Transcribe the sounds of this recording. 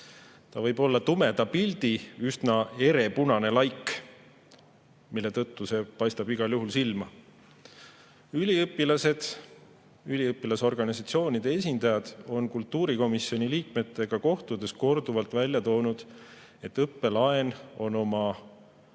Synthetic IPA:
t̪ɑvɤjb̥o̞lːɑt̪ume̞d̪ɑpilʲd̪̥iysnɑe̞ɾe̞punɑne̞lɑjkː | milːe̞t̪ɤt̪ːuse̞pɑjst̪ɑb̥iɡ̥ɑljuɦulsilmɑ | ylʲiɤpːˑilɑse̞d̪̥ | ylʲiɤpːˑilɑso̞rɡ̥ɑnisɑt̪sio̞ːnʲid̪̥e̞e̞s̬ʲind̪̥ɑjɑd̪̥o̞nkult̪ːuːɾiko̞misio̞niliːk̚me̞t̪ːˑe̞ɡ̥ɑko̞ht̪ud̪̥e̞sko̞rd̪uvɑlt̪vælʲjɑt̪o̞ːnud̪̥ | e̞t̪ːɤpːe̞lɑe̞no̞no̞mɑ

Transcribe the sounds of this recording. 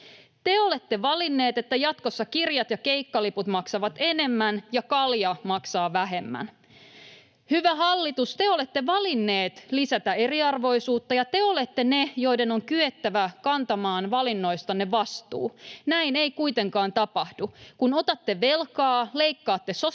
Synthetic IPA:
t̪e̞o̞le̞t̪ːe̞ʋɑlinːe̞ːt̪e̞t̪ːæjɑt̪kosːɑkirjɑt̪jɑkeikːɑliput̪mɑksɑʋɑt̪e̞ne̞mːænjɑkɑljɑmɑksɑːʋæɦe̞mːæ̰n | hyʋæɦɑlːit̪ust̪eo̞le̞t̪ːeʋɑlinːe̞ːt̪lisæt̪æe̞riɑrʋo̞isuːt̪ːɑjɑt̪e̞o̞le̞t̪ːe̞nejo̞ide̞no̞ŋkyet̪ːæʋækɑnt̪ɑmɑːnʋɑlinːo̞jst̪ɑnːeʋɑst̪ṵːnæine̞ikuit̪e̞ŋkɑːnt̪ɑpɑhdukunot̪ɑt̪ːe̞ʋe̞lkɑːle̞ikːɑːt̪ːeso

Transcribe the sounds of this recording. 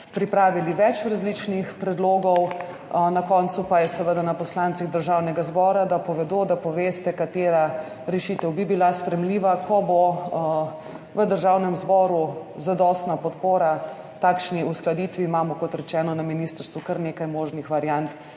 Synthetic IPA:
pɾipɾaːʋiliʋɛt͡ʃɾazlit͡ʃnixpɾɛd̪loːɡɔw | nakɔnt̪supajɛsɛʋəd̪anapɔslant̪siɣd̪əɾʒawnɛɡazbɔːɾad̪apɔʋɛd̪od̪apɔʋeːst̪ɛkat̪eːɾa | ɾɛʃit̪ɛwbibilaspɾɛmliːʋakʰɔbo | ʋəd̪əɾʒawnɛmzbɔːɾuzad̪ɔst̪napɔt̪poːɾa | t̪aːkʃniusklad̪it̪ʋiːmaːmɔkɔt̪ɾɛt͡ʃɛːnɔnaminist̪əɾst̪ʋukəɾneːkajmoːʒnixʋaɾjant̪

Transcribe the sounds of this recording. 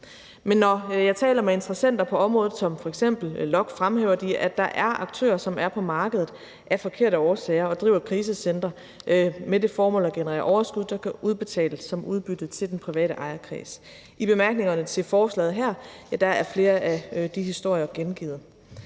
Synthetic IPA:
menːɒjɑ̈ɪt͡sʰɛ̰ːlɐmee̝nd̥ʁɐsen̰d̥ɐpʰɒ̽ɒ̽mʁɔ̽ːð̩ˠsɒ̽mfɒ̽eɡ̥sem̰b̥l̩lɒ̽ɡ̥fʁamheːʊɐd̥iʔæd̥ɑ̈ʔæɐʔɑ̈ɡ̥̚t͡sʰø̰ːɐsɒ̽mæɐpʰɒ̽mɑ̈ːɡ̥əðˠð̩ˠ | ʔæɐfɒ̽kʰe̝ɐ̰ɾəɒːsɛːɐɒ̽d̥ʁḭːʊ̰ɐkʰʁiːs̬əsen̰d̥ʁɐ | mede̝fɒːmɔ̽ːlɐɡ̥enəʁɛ̰ːɐʔɒʊɐsɡ̥uð̰ˠsɑkʰæʔuðˠb̥e̝t͡sʰɛ̰ːləsːɒ̽mʔuð̞ˠb̥yd̥ð̩ˠt͡sʰe̝ld̥enpʰʁiʋɛ̰ːɾəʔɑ̈ɪɐkʰʁḭːs | ib̥e̝mæɐɡ̥ne̝ŋɐnət͡sʰe̝lfɒːslɛ̰ːð̩ˠɦæɐ̰jæd̥ɑ̈æɐfle̝ːɐʔæd̥ihisd̥o̝ɐ̰jɐɡ̥enɡ̥ḭːð̩ˠ

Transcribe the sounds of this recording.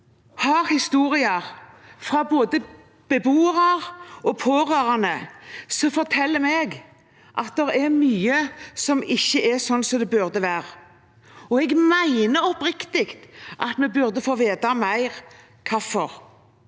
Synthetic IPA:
hɑːɾhɪst̪uːɾɪɑɾfɾɑboːd̪ə | b̥əbuːəɾɑɾɔpʰoːʁøːɾɑnəsɔfɔɾt̪ʰɛlːəmɛɡ | ʔɑt̪̚d̪ɛɾɛɾmyːəsɔmɪçːəʔɛsɔnːsɔd̪ɛbʉɾd̪əʋæːʁ | ɔɛɡmæɪnəɾɔpɾɪkt̪ɪkt̪ʔɑ̰t̪mɛbʉɾd̪əfoːʋeːd̪ɑmæɪʁ | kʰɑfɔɾ

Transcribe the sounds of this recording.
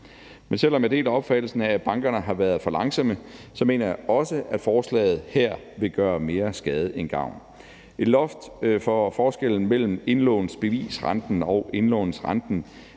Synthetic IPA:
mensel̰ɒ̽med̥e̝̰ːlæɒ̽b̥fæd̥l̩sn̩æb̥ɑ̈ŋɡ̥ɐnəɦɑ̈ʋæːɐð̩ˠfɒ̽lɑ̈ŋsɒ̽məsɒ̽me̝̰ːnɐjɑ̈ʔɒ̽səʔæd̥fɒːslɛ̰ːɪð̞̩ˠhæɐ̰ | ʋe̝ɡ̥ɶːɐme̝ːɐsɡ̥ɛːð̞ˠəenɡ̥ɑ̈ʊ̰n | e̝lɒ̽fd̥fɒfɒːsɡ̥el̰n̩mel̰m̩e̝nlɔ̰ːn̩sb̥e̝ʋḭːsʁɑnd̥n̩ɒ̽ʊʔe̝nlɔ̰ʊn̩sʁɑnd̥n̩

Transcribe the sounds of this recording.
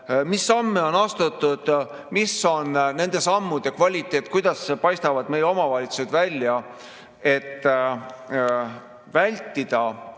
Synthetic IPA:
misːɑmːeo̞nɑst̪ut̪ːˑud̪̥ | misːo̞nne̞nd̪̥e̞sɑmːud̪̥ekvɑlʲit̪ːˑe̞ːt̪ːˑkujd̪̥ɑspɑjst̪ɑvɑd̪̥me̞jeo̞mɑvɑlʲit̪su̥sed̪̥vælʲːjɑ | e̞t̪ːˑ | vælʲt̪ːˑid̪̥ɑ

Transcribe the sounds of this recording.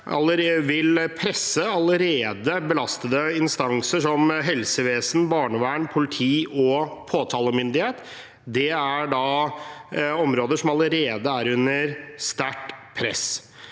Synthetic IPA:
ʔɑ̰ləɾeʋɪlpʰɾɛsːəɑləɾeːd̪əbəlɑst̪əd̪əɪnst̪ɑŋsəʂɔmɦɛlsəʋeːsənbɑːɳəʋæːɳpʰʊlɪt̪ʰiːɔpʰoːt̪ʰɑːləmʏnd̪ɪheːt̪ | d̪ɛæɖɑ | ɔmɾoːd̪əʂɔmɑləɾeːd̪əæɾʉnːəɾst̪æʈpʰɾɛ̰s

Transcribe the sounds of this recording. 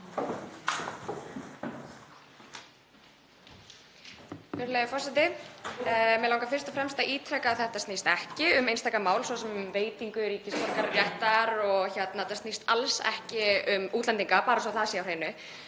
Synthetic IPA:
vɛɾlejafɔrsɛt̪ɪ | mjɛlawŋkafɪr̥st̪afɾɛmst̪aʔiːt̪ʰɾɛkaːðθɛht̪ast̪nist̪ɛhcɪʏmejnst̪ajkamaːwlsɔsɛmveːjt̪iŋkʏɾiːcɪsfɔɾkaɾjɛht̪aɾɔɣçɛt̪naɛt̪ːast̪nist̪a̰lsɛ̰hcɪʏmuːt̪lɛnt̪iŋkapaːɾasɔaθaːsjawrheːjnʏ

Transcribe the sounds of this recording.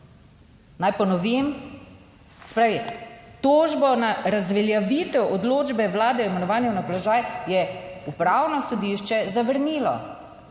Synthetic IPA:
najpɔnɔʋim | sɛ̥pɾaːʋit̪oːʒbɔnaɾazʋɛljaʋit̪ɛwɔd̪loːd͡ʒbɛʋlaːd̪ɛɔmɛnɔʋaːnjɛwnapɔlɔʒaːjjɛupɾaːwnɔsɔd̪iʃt͡ʃɛzaʋəɾniːlɔ̰

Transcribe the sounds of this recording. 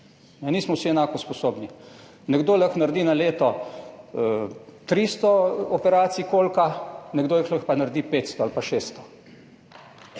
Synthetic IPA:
nɛniːsmɔwsiɛnaːkɔspɔsoːbni | nɛɡd̪oːləxnaɾd̪iːnaleːt̪ɔ | t̪ɾiːst̪ɔɔpɛɾaːt̪sikoːlkanɛɡd̪oːjixləxpanaɾd̪iːpeːt̪st̪ɔalpaʃeːst̪ɔ̥

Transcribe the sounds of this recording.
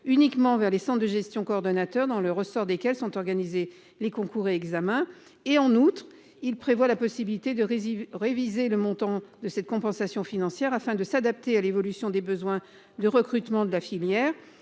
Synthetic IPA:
ynikmɑ̃vɛʁlesɑ̃t̪d̪əʒɛst̪jɔ̃koːʁd̪ɔnat̪œʁd̪ɑ̃ləʁəsɔʁd̪ekʲɛlsɔ̃t̪ɔʁɡanize | lekɔ̃kuʁeɛɡzamɛ̃ | eɑ̃nut̪χ | ilpχevwalapɔsibilit̪ed̪əʁevizeləmɔ̃t̪ɑ̃d̪əsɛt̪̚kɔ̃pɑ̃sasjɔ̃finɑ̃sjɛʁafɛ̃d̪əsad̪ap̚t̪ealevɔlysjɔ̃d̪ebəzwɛ̃ | d̪əʁəkχyt̪mɑ̃d̪əlafiljɛːʁ

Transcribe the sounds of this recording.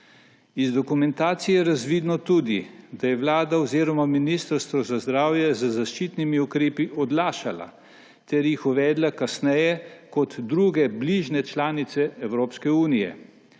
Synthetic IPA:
izd̪ɔkumɛnt̪aːt̪sijɛɾazʋid̪nɔt̪uːd̪id̪ajɛʋlaːd̪aoɔziːɾɔmaminist̪əɾst̪ʋɔzazd̪ɾaːwjɛzəzaʃt͡ʃit̪nimiukɾeːpiʔɔd̪laːʃala̰ | t̪ɛɾjixuʋɛːd̪lakasnɛjɛkɔt̪d̪ɾuːɡɛbliʒnɛt͡ʃlaːnit̪sɛɛwɾoːpskɛuːnijɛ̰

